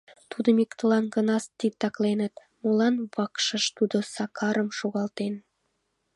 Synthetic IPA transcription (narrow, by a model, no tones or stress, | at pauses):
t̪ud̪əmikt̪əlɑnɡə̆nɑst̪it̪ɑklenə̆t̪ | molɑnβɑkʃə̆ʃt̪ud̪osɑkʰɑɾəmʃuɣɑlt̪en